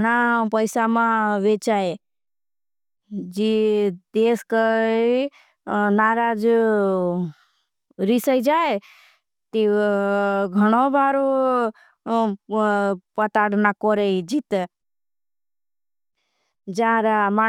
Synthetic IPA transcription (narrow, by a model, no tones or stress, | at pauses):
ɽapəjsamãʋet͡ʃae | d͡ʒed̪eskə | naɾad͡ʒ | ɾisəjd͡ʒae | t̪e | ɡʱəɽ̃obʱaːɾo | pət̪aɽnakɔɾed͡ʒit̪e | d͡ʒaɾama